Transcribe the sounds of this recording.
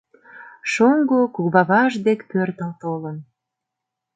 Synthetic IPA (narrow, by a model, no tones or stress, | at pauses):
ʃoŋɡokuβɑβɑʒd̪ekpørt̪əlt̪olən